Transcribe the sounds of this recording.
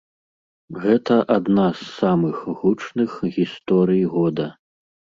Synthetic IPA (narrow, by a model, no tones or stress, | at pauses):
ɣɛt̪ɐʔad̪nasːamɨxɣut͡ʂnɨxɣʲist̪ɔɾɨjɣɔd̪ɐ